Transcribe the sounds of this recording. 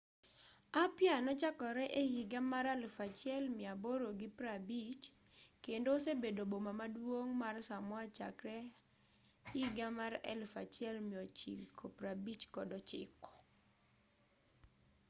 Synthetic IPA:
apjanɔt͡ʃakɔɾɛʔehiɡamaɾɛlfat͡ʃɛlmɪaboɾoɡɪpɾabit͡ʃ | kendosebedobomamadwoŋmarsamɔat͡ʃa̰kɾɛ | hiɡamaɾɛ̰lfa̰t͡ʃjɛlmiɔt͡ʃḭkʰopɾabit͡ʃkɔdɔt͡ʃɪ̰kɔ̥

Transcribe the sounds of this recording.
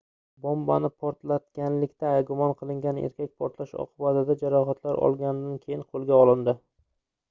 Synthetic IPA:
bɒmbanɪpʰɒɾt̪lat̪kʲanlɪkʲt̪ʰaːjɡʊmɒnqʰɨlˠɪŋɡʲanḛɾkʲʰak̚ʲpʰɒɾt̪laʃɒ̰qʰʊbat̪ɪd̪ad͡ʒaɾɒɦat̪ʰlaɾɒ̰lˠɡʲand̪ankʲʰe̞jɪnqʰolˠɡʲaɒlˠɪnd̪ɪ

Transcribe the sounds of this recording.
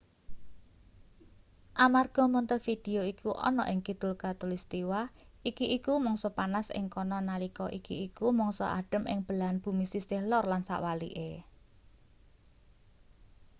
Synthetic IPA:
ʔamarɡ̥ɔ̤mɔnt̪ənfid̥e̤oikʰuʔɔ̰nɔ̰ʔɪŋkid̪̥ʊlkat̪ulist̪iwaikiʔːkumɔŋsɔpanasɪ̰ŋkɔnɔnalikɔʔikiːkumɔŋsɔ̰ʔa̰ɖ̥ə̤mɪ̰ŋb̥ə̤lanb̥ṳmisisɪhlɔrlansa̰ʔwalḭʔe

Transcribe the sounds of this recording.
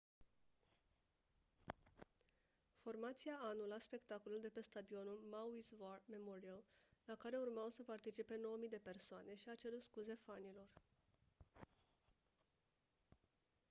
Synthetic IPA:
fo̞rmat̪siaanulaspe̞kt̪ako̞luld̪e̞pe̞st̪ad̪io̞nulmawisvarme̞moɾiallakaɾe̞urmawsəpart̪it͡ʃipe̞no̞wəmijd̪e̞pe̞rsoane̞ʃiat͡ʃe̞ɾut̪skuze̞fanilo̞r

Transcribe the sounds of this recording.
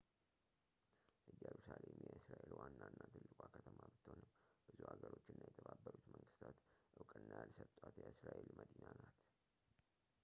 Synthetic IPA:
jɛɾusalemjɛɨsɾaʔelwanːanːat̪ʰɨlːɨkʷʼakʰət̪ʰəmabɨt̪ʰːonɨmb̥ɨzuhaɡəɾo̞t͡ʃːɪnːajɛt̪ʰəbabːəɾut̪məŋɡɨst̪ʰat̪ʔɨwkʼɨnːajalsət̪ʼwat̪jɛɨsɾaʔelməd̪inanat̪

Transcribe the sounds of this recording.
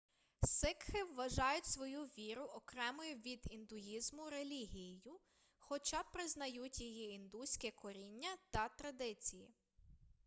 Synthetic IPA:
sɪkxɪʋːɐʒɑjʊtʲsʋɔjuʋʲiɾʊʔɔkɾɛmɔjʊʋʲid̪ind̪ʊjizmʊɾelʲiɦʲijijʊ | xɔt͡ʃɑpɾɪznɐjutʲjɔɦiind̪usʲkɛkɔɾʲinʲːɐt̪ɐt̪ɾɐd̪ɪt͡sʲiji

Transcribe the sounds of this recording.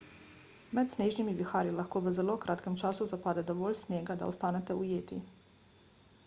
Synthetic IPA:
mɛt̪sneːʒnimiʋixaːɾilaxkoːʋəzɛloːkɾʔaːt̪kɛmt͡ʃaːsuzapaːd̪ɛd̪ɔʋoːlʲsnjeːɡad̪a̰ɔst̪aːnɛt̪ɛujeːt̪i

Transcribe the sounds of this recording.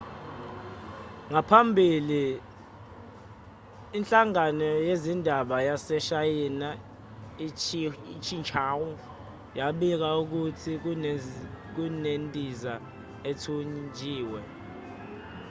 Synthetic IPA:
ŋapʰambʱili | nt͡ɬʼaŋanɔjezindʱaɓajasɛʃajina | it͡ʃʰint͡ʃʰaːwu | jaɓik̬auk̬utʰik̬ | k̬unentʼiza | ɛtʰund͡ʒʱiːwɛ

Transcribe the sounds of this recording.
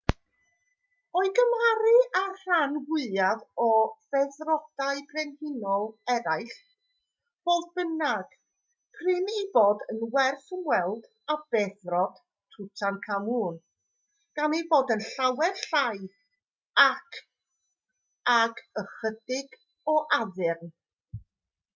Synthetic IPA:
ɔɨɡəmaɾɨar̥anwɪaðɔv̥ɛðrɔd̥aɨbrɛnhɪnɔlˠɛɾaɨɬ | voːlˠðbənaɡ̥ | pʰrɪniboːdənwɛrθənwɛlˠd̥ | ab̥ɛðrɔd̥ | tʰʊtʰankʰamuːn | ɡ̥aniboːdənɬawɛrɬajð | akʰ | aɡəχədɪɡ | ɔʔaðɪrn

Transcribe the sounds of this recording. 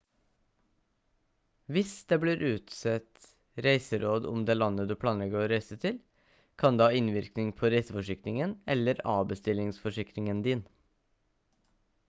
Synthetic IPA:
ʋɪsd̪eːbliːɾʔʉːt̪sɛt̪ | ɾæɪsəɾoːd̪ʊ̰md̪eːlɑnːəd̪ʉːpʰɽɑːnlɛɡəɔɾæɪsət̪ʰɪl | kʰɑnd̪eːɑːɪnʋɪɾknɪŋpʰoːɾæɪsəfɔʂɪkɾɪŋənɛ̰lːəɾɑ̰ːbəst̪ɪlɪŋsfɔʂɪkɾɪŋənd̪iːn

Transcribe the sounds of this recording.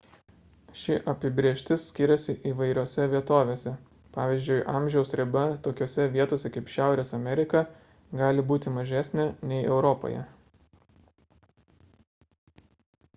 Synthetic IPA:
ʃʲɪʔɐpʲɪbʲɾʲeːʃʲt̪ʲɪsʲkʲɪɾʲɛsʲɪʔiːʋɐɪɾʲoːsʲɛʋʲiɛt̪oːʋʲeːsʲɛ | pɑːʋʲiːzʲd͡ʒʲʊɪʔɑːˑmʲʒʲɛʊsɾʲɪbʲɛt̪oːkʲoːsʲɛʋʲiɛt̪oːsʲɛkɐɪpʃʲæˑʊɾʲeːsɐmʲɛɾʲɪkɐ | ɡɑːlʲɪbuːt̪ʲɪmɐʒʲæsʲnʲɛnʲɛɪʔɛʊɾɔpo̰jɛ̰

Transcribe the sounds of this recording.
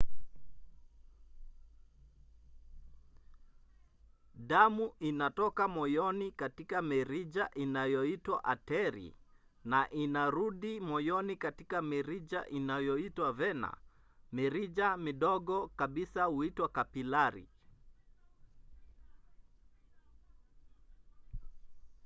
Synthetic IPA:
ɗamuʔinatɔkamɔjɔnikatikamiɾid͡ʒaʔinajɔitwa̰ʔatɛɾḭ | naʔinaɾuɗimɔjɔnikatikamiɾid͡ʒa̰ʔinajɔitwavɛna̰ | miɾid͡ʒamiɗɔɠɔkaɓisahuitwakapilaɾḭ

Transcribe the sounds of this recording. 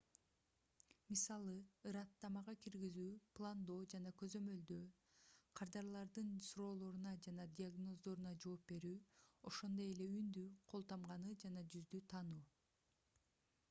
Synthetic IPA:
misɑlˠɯɯɾɑt̪ːɑmɑʁɑkiɾɡizyːplˠand̪o̞ːd͡ʒɑnɑkø̞zø̞mø̞ld̪ø | qʰɑɾd̪ɑɾlˠɑɾd̪ɯnsuɾo̞ːlˠo̞ɾunɑd͡ʒɑnɑd̪ʲiaɡno̞zd̪o̞ɾunɑd͡ʒo̞ːpbe̞ɾyːo̞ʃo̞nd̪o̞je̞le̞ynd̪yqʰo̞lˠt̪ɑmʁɑnɯd͡ʒɑnɑd͡ʒyzd̪yt̪ʰɑnuː

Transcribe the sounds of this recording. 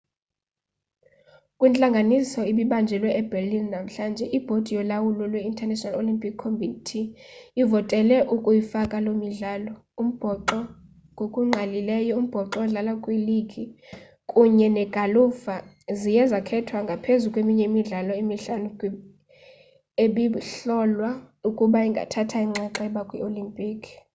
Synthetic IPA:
kʼwint͡ɬʼaŋɡʱanisɔiɓiɓand͡ʒʱɛlwɛɛb̥ʱɛrlinnam̩ɬand͡ʒʱɛʔib̥ʱod̥ʱijɔlawulɔlweintʰʼɛnɛʃɔnalolimpʰʼikʰːombitʰiːvɔtʼɛlɛʔukʼujifakʼalomiɮaːlɔ | um̩b̥ʱɔǃɔ | ŋɡʱokʼuŋ͡ǁʱalilɛjɔum̩b̥ʱɔǁɔɮalakʼwiliɡʱi | kʼuɲɛnɛɡ̥ʱalufa | zijɛzakʰɛtʰwaŋɡʱapʰezukʼwemiɲɛimiɮalɔimiɬanu | eɓiɬɔlwaukʼuɓaiŋɡʱa̰tʰatʰaiŋ͡ǁɛǁaɛɓakʼwiolimpʼiːkʰ

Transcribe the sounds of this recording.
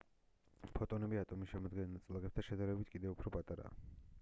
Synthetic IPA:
pʰɔt̪ʼɔnɛbiat̪ʼɔmiʃɛmɔd̪ɡɛnnat̪sʼlˠaʁɛp̚t̪ʰaʃɛd̪aɾɛbit̪ʰkʼid̪ɛupʰɾɔpʼat̪ʼaɾa̰ː

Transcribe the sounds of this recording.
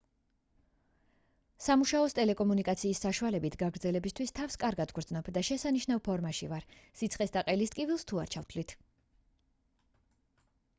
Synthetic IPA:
samuʃaɔst̪ʼɛlɛkʼɔmunikʼat̪sʰiːsːaʃualɛbit̪ʰɡaɡɾd̪zɛlɛbist̪ʰwist̪ʰafskʼaɾɡad̪ɡɾd̪znɔbd̪aʃɛsaniʃnavpʰɔɾmaʃḭvaɾsit̪sʰχʼɛsd̪aqʼɛlist̪ʼkʼivilˠst̪ʰuaɾt͡ʃʰaft̪ʰlit̪ʰ

